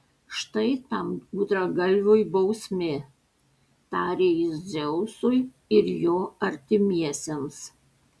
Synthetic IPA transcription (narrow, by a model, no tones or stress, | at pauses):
ʃt̪ɐɪt̪ɐmuːd̪ɾɐɡɐlʲʋʲojbɐʊsʲmʲɪ | t̪ɑːɾʲeːjɪzzʲɛʊsʊj | ɪɾjoːɐɾʲt̪ʲɪmʲiɛsʲems